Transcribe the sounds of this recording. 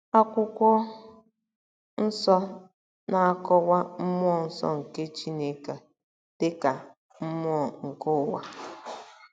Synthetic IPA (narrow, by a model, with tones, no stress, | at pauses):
a˦kʷʊ˦kʷɔ˦ | n̩˦sɔ˦ | na˨a˦kɔ˦wa˦m̩˦m˦ɔ˦˨n̩˦sɔ̰˦ŋ̩˨ke˦t͡ʃi˦ne˦ka˨ | te˦ka˨ | m̩˦m˦ɔ˦˨ŋ̩˨kʊ˦˨˦wa̰˦